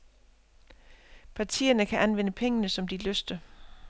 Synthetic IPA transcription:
pʰɑ̈t͡sʰḭːɐnəkʰæʔænʋen̰əpʰeŋənəsɒ̽md̥iløsd̥ə

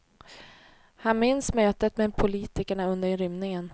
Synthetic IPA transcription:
hanmɪnsmøːt̪ət̪mɛpʰʊliːt̪ɪkəɳaɵnd̪əɾɾʏmnɪŋən

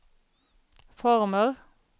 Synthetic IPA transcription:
fɔʁməʁ

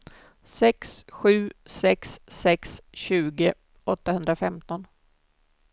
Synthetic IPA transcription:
sɛksɧʉ̟ːsɛksːɛksɕʉ̟ːɡə | ɔt̪ːahɵnd̪ɾafɛmt̪ɔn

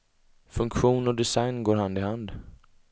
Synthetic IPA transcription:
fɵŋkɧuːnɔd̪ɛsajnɡoːɾɦand̪ɪhand̪

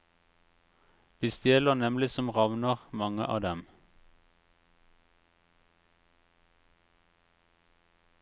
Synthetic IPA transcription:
b̥ɪst̪jeːləʁnɛmlɪsɔmʁɑʋnəʁmɑŋə̰ʔɑ̰ːd̪ɛm

